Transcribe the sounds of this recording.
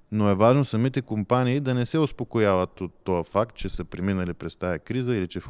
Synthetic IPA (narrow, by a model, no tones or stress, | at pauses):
noɛvaʒnosɐmit̪ɛkompaniːd̪ɐnɛsɛʊspokojavət̪ot̪ːɔjɐfak̚t̪̚t͡ʃɛsəpɾɛminəlipɾɛst̪ajɐkɾizəilit͡ʃɛf